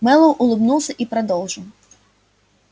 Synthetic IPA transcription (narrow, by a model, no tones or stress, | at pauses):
mɛlˠɔwʔʊlˠɪbnuwˠsʲɐʔipɾɐd̪ɔlˠʒɪw